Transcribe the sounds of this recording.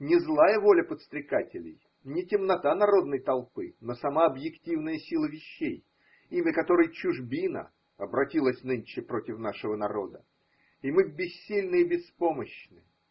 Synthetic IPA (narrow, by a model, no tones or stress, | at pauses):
nʲɪzlˠajəvo̞lʲəpət̪st̪ɾʲɪkatʲɪlʲɪ̰j | nʲɪtʲɪmnɐt̪anɐɾo̞d̪̚nəjt̪ɐlˠpɨnosɐmaɐbjɪktʲivnəjəsʲilˠəvʲɪɕːej | imʲəkɐt̪o̞ɾɨjt͡ɕʊʐbʲinə̰ | ɐbɾɐtʲilˠəsʲnɨnʲt͡ɕɪpɾo̞tʲɪfn̪aʂɨvənɐɾo̞̰d̪ə | imɨbʲɪsʲːilʲnɨjəbʲɪspo̞məɕnɨ